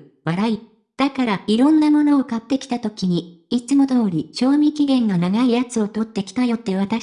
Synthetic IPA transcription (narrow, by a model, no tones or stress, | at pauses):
βaɾai | d̪̥akaɾaiɾõ̞nːamo̞no̞ːkat̪ːe̞kʲi̥t̪at̪o̞kʲiɲ̟iit͡sɨmo̞d̪o̞ːɾʲiɕo̞ːmʲikʲiɡẽ̞ŋɡanaɡaijat͡sɨo̞t̪o̞t̪ːe̞kʲi̥t̪ajo̞t̪ːe̞β̞at̪a